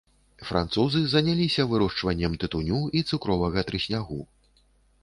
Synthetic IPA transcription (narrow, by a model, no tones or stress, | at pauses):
fɾʔa̰nt̪suzɨzɐnʲalʲisʲɐvɨɾɔʂt͡ʂvɐnʲːɐmt̪ɨt̪unʲuit̪sukɾɔvɐɣɐt̪ɾɨsʲnʲaɣu